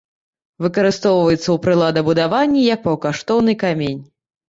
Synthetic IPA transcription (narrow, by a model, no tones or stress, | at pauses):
vɨkɐɾɨst̪ɔwvɐjɛt̪sːɐwpɾɨlˠad̪ɐbud̪avanʲːijɐk̚pɐwkaʂt̪ɔwnɨkamʲenʲ